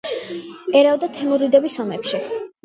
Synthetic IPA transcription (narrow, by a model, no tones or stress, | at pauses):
ɛɾavd̪at̪ʰɛmuɾid̪ɛbisɔmɛpʃi